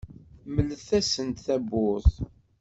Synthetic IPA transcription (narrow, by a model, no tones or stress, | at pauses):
məlːəθæsənt̪θæbʊθ